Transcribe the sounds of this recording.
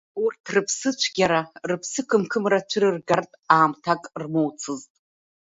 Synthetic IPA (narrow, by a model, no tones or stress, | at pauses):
urtʰrɨpʰsɨt͡ʃʷʰɡʲaɾarɨpʰsɨkʰɨmkʰɨmrat͡ʃʷʰɨɾɨrɡartʼaːmtʰakʼrmowt͡sʰɨztʼ